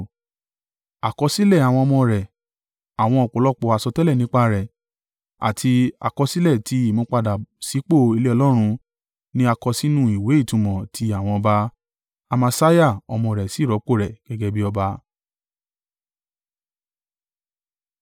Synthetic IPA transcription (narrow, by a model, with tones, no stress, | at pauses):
a˨kɔ˧si˦lɛ˦˨a˨w̃ɔ̃˧ɔ˧mɔ̃˧ɾɛ˨ | a˨w̃ɔ̃˧ɔ˧k͡po˨lɔ˦k͡pɔ˧˦a˧˨sɔ˧tɛ˦lɛ˦˨nĩ˦k͡pa˧ɾɛ˨ | a̰˨tʰi˧a̰˨kɔ˧si˦lɛ˦˨tʰi˧˦i˦˨mõ˧˦k͡pa˧da˨si˨˦k͡po˦˨i˧le˦ɔ˧lɔ˦ɾ̃ũ˧ | nĩ˦a˧kɔ˧si˦nũ˦i˨we˨˦i˦˨tũ˨˧mɔ̃˨tʰi˧˦a˦˨w̃ɔ̃˧ɔ˧ba˧ | a˧mã˧sa˦ja˦˨ɔ˧mɔ̃˧˨ɾɛ˨si˨˦˨ɾɔ˨˦k͡po˦˨ɾɛ˨ɡ̥ɛ˧ɡɛ˧bi˦ɔ˧ba˧